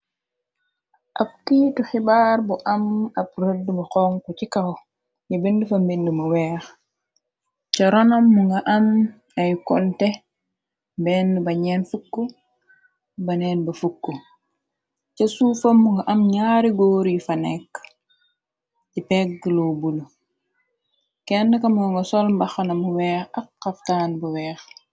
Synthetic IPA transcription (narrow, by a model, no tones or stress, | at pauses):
ʔap̚kitɔxibaɾbɔʔamap̚ɾedːəmukɔŋkɔt͡ʃikahɔ | ɲabendufambendumuwɛːx | t͡ʃaɾɔnamːuŋɡaʔam | ajkɔ̰ntɛ | bɛnːdubaɲɛnfukːɔ | bɐnɛːnbɐfukːu | cɐsufɐmːuŋɡɐʔɐmɲaːɾiɡɔːɾifɐnɛkː | ɟipɛk̚ɡəlobulu | kɛndəkɐmŋɡɐŋɡɐsɔlmbɐxɐnɐmuwɛːxɐkːɐftaːnbɐwɛːx